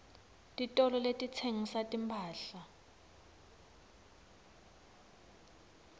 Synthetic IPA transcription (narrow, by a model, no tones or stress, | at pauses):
tʼitʼɔlɔletʼit͡sʰeŋisatʼimpʰaːɬa